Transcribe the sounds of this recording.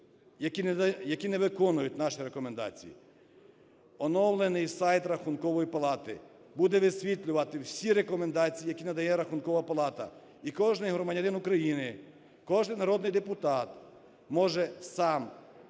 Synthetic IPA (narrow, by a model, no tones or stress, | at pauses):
jɐkʲijɐkʲinɛʋɪkɔnʊjʊt̚ʲnɑʃiɾekɔmend̪ɑ̰t͡sʲḭjḭ | ɔnɔwlˠenɪjsɑjt̪ɾɐxunkɔʋɔjipɐlˠɑt̪ɪ | bud̪ɛʋɪsʲʋʲit̪ʲlʲʊʋɐt̪ɪwsʲiɾekɔmend̪ɑt͡sʲijijɐkʲinɐd̪ɐjɛɾɐxunkɔʋɐpɐlˠɑt̪ɐ̰ | ikɔʒnɪjɦɾɔmɐdʲɐnɪnukɾɐjinɪ | kɔʒnɪjnɐɾɔd̪nɪjd̪epʊt̪ɑt̪ | mɔʒɛsɑm